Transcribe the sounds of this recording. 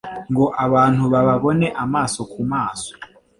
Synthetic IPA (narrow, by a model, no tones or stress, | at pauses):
ŋɡoʔaβaːn̥huβaβaβoneʔamaːsokʰumaːso̥